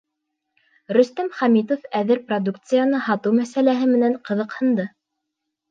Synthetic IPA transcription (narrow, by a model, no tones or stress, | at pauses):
ɾɵ̆st̪æmχɑmit̪̬ofæðɘɾprod̪uk̚t̪sɨjanɤhɑt̪ɤwmæsælæɦɘmɘ̆næɴqɤ̆ðɤ̆qhɤ̆nd̪ɤ